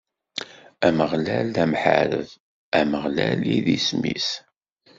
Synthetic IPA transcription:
æməʁlælːæmħa̰ɾə̰ð | æməʁlæliðismis

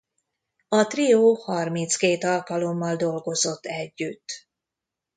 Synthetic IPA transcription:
ɒt̪rioːhɒrmint̪skeːt̪ɒlkɒlo̞mːɒld̪o̞lɡo̞zo̞t̪ːɛɟːyt̪ː

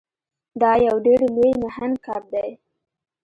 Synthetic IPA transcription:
d̪ɑjawɖeɽlejmahand̪kɑɾd̪aj

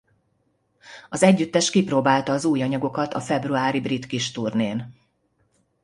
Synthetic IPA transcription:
ɒzɛɟːyt̪ːɛʃkiprɾoːbaːlt̪ɒːzuːjɒɲɒɡo̞kɒt̪ɒ̰fɛbruaːɾibrit̪kiʃt̪urneːn

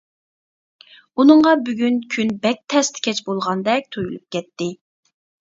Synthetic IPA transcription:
unɨŋʁɑbyɡʲynkʲʰynbɛk̚ʲt̪ʰɛst̪ʰɪ̥kʲʰɛt͡ʃbolˠʁɑnd̪ɛk̚ʲt̪ʰojulˠṵp̚kʲɛt̪ːɪ

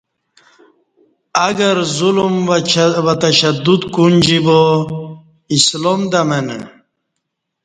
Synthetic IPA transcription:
aɡɐɾzulumwat̪aɕad̪ud̪kund͡ʑibo | islomd̪amenḛ

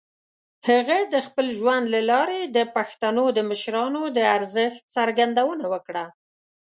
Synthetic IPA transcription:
haɣad̪əxpəlʒwand̪lalɑɾed̪əpaxt̪anod̪əməʃɾɑnod̪əaɾzəxt̪̚saɾɡand̪awənawəkɽa

